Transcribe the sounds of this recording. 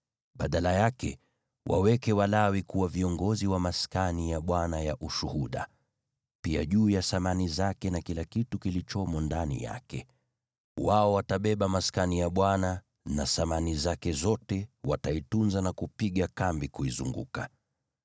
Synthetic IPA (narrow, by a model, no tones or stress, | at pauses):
ɓaɗalajakɛ | wʔa̰wɛkɛwalawikuwaviɔŋɡɔziwamaskanijaɓwanajaʔuʃuhuɗa̰ | pia̰ʄuːjasamanizakɛnakilakitukilit͡ʃɔmɔndanḭja̰kɛ | waɔwataɓɛɓamaskanijaɓwana | nasamanizakɛzɔtɛwataitunzanakupiɠakambikuizṵŋɡṵka